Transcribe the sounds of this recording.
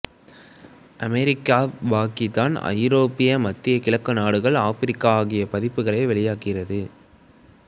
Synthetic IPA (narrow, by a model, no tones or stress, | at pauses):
ʔɐmɛɾɪkːaːʋaːkɪt̪ːaːnɐ̰ɪɾoːpːɪjɐmɐt̪ːɪjɐkɪɭɐkːɯnaːɽɯɣɐɭaːfɪɾɪkːaaːɣɪjɐpɐðɪpːɯɣɐɭɐɪʋɛɭɪjaːkɪrɐðɯ